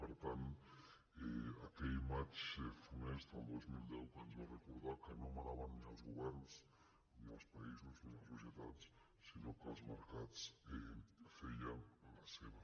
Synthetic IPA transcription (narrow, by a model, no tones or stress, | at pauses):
paɾt̪an | eakeimat͡ʃefunest̪aend̪ozmild̪ewkand͡ʒorekoɾðakenomanaβannĩalzɣoβeɾnos | niaspaisozniasoseðat̪s | sinokazmaɾkat̪sefejaalaseβa